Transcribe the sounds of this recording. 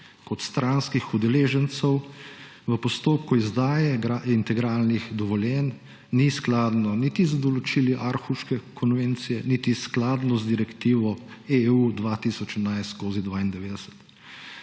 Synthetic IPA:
kɔt̪st̪ɾanskixud̪ɛleːʒənt̪sɛw | ʋəpɔst̪oːp̚kuizd̪aːjɛɡaint̪ɛɡɾaːlnixd̪ɔʋɔljɛnː | isklaːd̪nɔnit̪izad̪ɔlɔt͡ʃiliʔaɾxuʃkɛkʰɔnʋent̪sijɛnit̪isklaːd̪nɔzd̪iɾɛkt̪iːʋɔeud̪ʋat̪isɔt͡ʃɛnajst̪skoːzid̪ʋaːind̪ɛʋeːd̪ɛsɛ̥t̪

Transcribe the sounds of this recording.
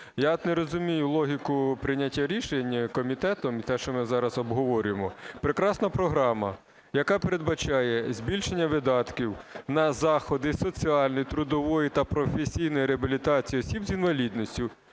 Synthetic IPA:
jat̪neɾɔzʊmʲijʊlˠɔɦʲikʊpɾɪnʲatʲːaɾʲiʃenʲkɔmʲit̪ɛt̪ɔmit̪ɛʃt͡ʃɔmɪzɑɾɐzɔbɦɔʋɔɾʲʊjemɔpɾekɾɑsnɐpɾɔɦɾɑmɐ̰ | jɐkɑpeɾe̞d̪bɐt͡ʃɑjɛzʲbʲilʲʃenʲːɐʋɪd̪ɑt̪kʲiwnɐzɑxɔd̪ɪsɔt͡sʲiɑlʲnijt̪ɾʊd̪ɔʋɔjit̪ɐpɾɔfesʲijnɔjiɾeɐbʲilʲit̪ɑt͡sʲijiɔsʲibzinʋɐlʲid̪nɔsʲtʲʊ

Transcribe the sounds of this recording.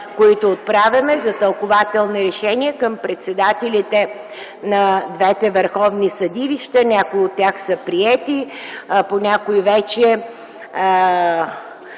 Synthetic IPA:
koit̪oːt̪̚pɾavʲɐmɛzɐt̪əlˠkʊvat̪ɛlˠniɾɛʃɛniɛkəmpɾɛt̪sɛd̪at̪ɛlit̪ɛ | nɐd̪vɛt̪ɛvəɾxɔvnisɐd̪iliʃt̪ənʲakʊiot̪ːʲaxsəpɾiɛt̪i | ponʲakoivɛt͡ʃɛ

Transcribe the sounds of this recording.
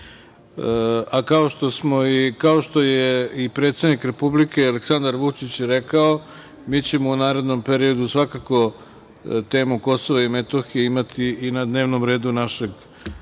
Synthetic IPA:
akao̞ʃt̪o̞smo̞ikaoʃt̪o̞jeipɾe̞ːt̪sed̪nikɾe̞publike̞aleksand̪aɾʋut͡ʂit͡ɕɾekao | miːt͡ɕe̞mo̞unaːɾe̞d̪no̞mpe̞ɾio̞d̪usʋakako̞ | t̪e̞ːmuko̞so̞ʋaime̞t̪o̞xijeimat̪ʰiːnad̪ne̞ːʋnomɾe̞ːd̪unaʃe̞ɡ

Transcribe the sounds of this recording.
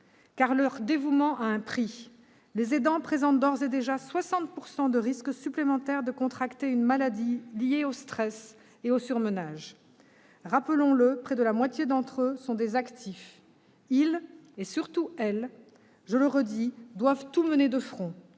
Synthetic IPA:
kaʁlœʁd̪evumɑ̃ʔaɛ̃pχi | lezed̪ɑ̃pχezɑ̃t̪̚d̪ɔʁzed̪eʒaswasɑ̃t̪̚puʁsɑ̃d̪əʁisksyplemɑ̃t̪ɛʁd̪əkɔ̃t̪χakt̪eynmalad̪ilijeost̪χɛs | eosyʁmənaʒ | ʁapəlɔ̃ləpχɛd̪əlamwat̪ʲjed̪ɑ̃t̪χøsɔ̃d̪ezakt̪ʰif | ilesyʁt̪uɛl | ʒələʁəd̪id̪wavt̪uməned̪əfχɔ̃

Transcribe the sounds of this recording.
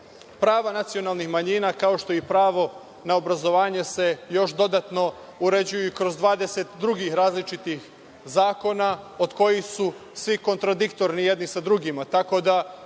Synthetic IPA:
pɾaːʋanat̪sio̞naːlˠnixmaɲiːnakao̞ʃt̪o̞ipɾaːʋo̞ | naobɾazo̞ʋaːɲese̞jo̞ʃd̪o̞d̪at̪no̞ | uɾe̞d͡ʑujukɾo̞zd̪ʋaːd̪e̞se̞t̪d̪ɾuɡixɾaːzlit͡ʃit̪ix | zaːko̞nao̞d̪ko̞jixsusʋiko̞nt̪ɾad̪ikt̪o̞ɾnije̞d̪nisad̪ɾuɡimat̪ako̞d̪a

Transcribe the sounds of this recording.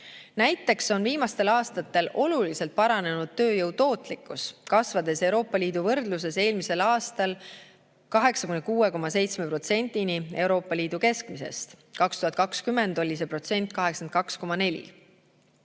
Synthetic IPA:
næjt̪ːˑe̞kso̞nviːmɑst̪e̞lɑːst̪ɑt̪ːˑe̞lʔo̞lulise̞lt̪̚pɑɾɑne̞nud̪̥̚t̪øːjɤwt̪o̞ːt̪ˑlikːˑuskɑsvɑd̪e̞se̞wɾo̞ːpːˑɑlʲiːd̪̥uvɤrd̪̥lus̬e̞se̞ːlmise̞lɑːst̪ɑl | kɑɦe̞ksɑkunekuːe̞ko̞mɑse̞jt̪smepro̞t̪se̞nʲd̪̥inie̞wɾo̞ːpːˑɑliːd̪̥uke̞skmise̞̰st̪kɑkst̪uhɑt̪̚kɑkskymːe̞nd̪o̞lʲis̬e̞pro̞t̪se̞nʲt̪ˑkɑɦe̞ksɑn̚kɑksko̞mɑne̞lʲḭ

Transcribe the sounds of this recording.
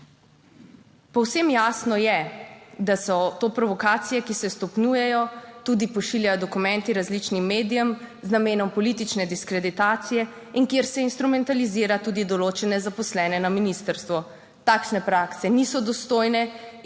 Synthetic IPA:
pɔwsemjaːsnɔjɛd̪asɔt̪oːpɾɔʋɔkaːt̪sijɛkisɛst̪ɔpnjuːjɛjɔt̪uːd̪ipɔʃiljajɔd̪ɔkumɛ̃nt̪iɾazlit͡ʃnimːeːd̪ijɛmznameːnɔmpɔlit̪it͡ʃnɛd̪iskɾɛd̪it̪aːt̪sijɛ | inkjeɾsɛinst̪ɾumɛnt̪aliziːɾat̪uːd̪id̪ɔloːt͡ʃɛnɛzapɔslɛːnɛnaminist̪əɾst̪ʋɔ | t̪aːkʃnɛpɾaksɛnisɔd̪ɔst̪oːjnɛ

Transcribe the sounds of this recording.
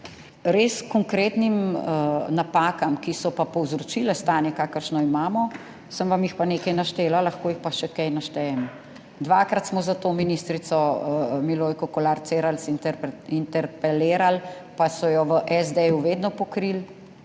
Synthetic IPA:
ɾeːskɔŋkɾeːt̪nim | napaːkamkisɔpapɔwzɾɔt͡ʃilɛst̪aːnjɛkaːkəɾʃnɔimaːmɔ | səmʋamjixpaneːkɐjnaʃt̪eːlalaxkoːjixpaʃɛkɛjnaʃt̪ɛjɛm | d̪ʋaːkɾat̪smɔzat̪oːminist̪ɾit̪sɔmiloːjkɔkɔlaːɾt̪seːɾalsiint̪ɛɾpɛleːɾalpasɔjɔʋəʔɛzd̪ejuʋeːd̪nɔpɔkɾil

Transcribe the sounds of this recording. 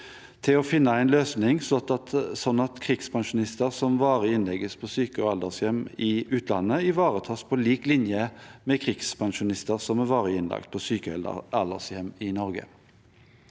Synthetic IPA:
t̪ʰɪlɔfɪnːəæɪnløːsnɪŋsɔt̪ɑt̪sɔnːɑt̪kʰʁiɡspʰɑŋʃʊnɪst̪əʁsɔmʋɑːʁɪɪnlɛɡəspʰɔsyːkəɑld̪əʁsjɛmɪʉːt̪ʰlɑ̰nːəɪʋɑːʁət̪ʰɑːspʰɔliːklɪnjəmɛkʰʁiːɡspʰɑŋʃʊnɪst̪əʁsɔmæʁʋɑːʁɪɪnlɑ̰kt̪̚pʰɔsyːkəɛl̰ɑld̪əʁsjɛmɪnɔʁɡə̰

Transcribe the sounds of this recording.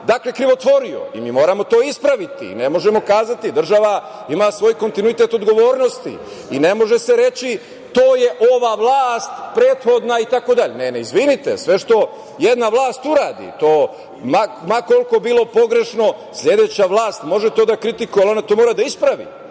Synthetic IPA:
d̪aklekɾiʋo̞t̪ʋo̞ɾio̰ḭmiːmo̞ːɾamo̞t̪o̞ːispɾaʋit̪ḭne̞mo̞ʒemo̞kaːzat̪id̪r̩ʒaʋa | imasʋo̞ːjko̞nt̪inuit̪e̞t̪o̞d̪ɡo̞ʋo̞ːɾno̞st̪ḭ | ine̞mo̞ʒese̞ɾe̞t͡ɕi | t̪oːje̞ʔoʋaʋlˠaːst̪pɾe̞ːt̪xo̞d̪nait̪ako̞d̪aʎeneneizʋinit̪ḛsʋe̞ʃt̪o̞ | jed̪naʋlˠaːst̪uɾaːd̪ḭt̪oː | mamako̞lko̞biːlˠo̞po̞ɡɾe̞ʃno̞sʎʲe̞d̪e̞ːt͡ɕaʋlˠaːst̪mo̞ʒet̪oːd̪akɾit̪ikujealo̞nat̪o̞ːmoɾad̪aispɾaʋḭ

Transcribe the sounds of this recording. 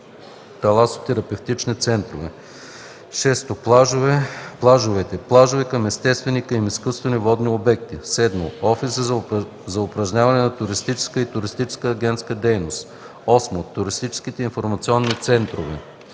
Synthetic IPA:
t̪ɐlˠaso̥t̪ːɛɾɐpɛft̪it͡ʃnit̪sɛnt̪ɾovɛ | ʃɛst̪oplˠaʒʊvɛplˠaʒʊvɛt̪ɛplˠaʒovɛkɐmɛst̪ɛst̪vɛnikɐjmiskust̪vɛnivɔd̪niobɛk̚t̪isɛd̪mo̰ɔfisə | zɐʊpɾɐʒɲʲavɐnɛnɐt̪ʊɾist̪it͡ʃɛ̥skəit̪ʊɾist̪it͡ʃɛ̥skəːɡʲɛnt̪skəd̪ɛjnost̪ | ɔsmot̪ʊɾist̪it͡ʃɛ̥skit̪ɛinfoɾmɐt̪siɔnːit̪sɛnt̪ɾovɛ̰

